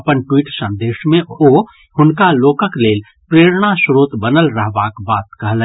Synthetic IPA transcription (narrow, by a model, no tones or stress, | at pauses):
əpənʈwiːʈsə̃nd̪eːʃmẽo | hʊnkaloːkəkleːl | pɾeːɾɽ̃asɾoːt̪bənəlɾəɦʋakbaːt̪kəɦlɛ̃